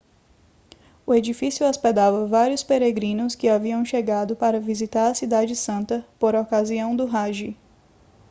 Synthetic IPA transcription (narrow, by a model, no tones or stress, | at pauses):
ʊed͡ʒifisjʊaspɛd̪avɐvaɾjʊspeɾeɡɾĩnʊskɪaviɐ̃w̃ʃeɡad̪ʊpaɾɐvizit̪aɾɐsid̪ad͡ʒɪsɐ̃nt̪ɐpoɾɔkaziɐ̃w̃d̪ʊɦaʒi